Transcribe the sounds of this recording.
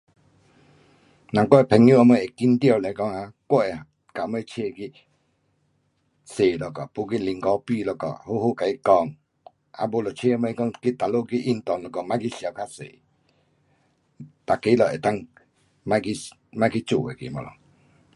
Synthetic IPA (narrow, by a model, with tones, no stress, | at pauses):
nã˨ŋkɔ˦˨ɛ˨pʰɛ˨˧ŋjũ˦ʔa˧mə˧˨e˨ki˦nt̪jɔ˧˨lɛ˨˧kɔ˧˦ŋa˧˨kʷɔ˦˨ʔɛ˨ | ka˨˧mə˧˦˧t͡ɕʰe˦˨˧ki˧ | se˨lɔ˨kɔ˨pu˧˨k̬i˦li˧˨ŋkɔ˧˦pi˧˨lɔ˧˨kɔ̰˨hu˦hu˦˨ka˨i˦kɔ˧˨ŋ | a̰˧˦bo˧lɔ˨t͡ɕʰe˦˨a˧mə˧kɔ˧˨ŋki˦t̪a˨lo˦˨ki˦˧ʔi˦˧˨nt̪ɔ˨ŋlɔ˧˨kɔ˧˨mã˦ki˦sja˨˧˨kʰa˦sḛ˨ | t̪a˨ke˧˦lɔ˨e˨t̪a˦˨ŋ | mã˦ki˧ | mã˦ki˦t͡su˨ḛ˨kḭ˨mɔ̰˧˨lɔ̰˨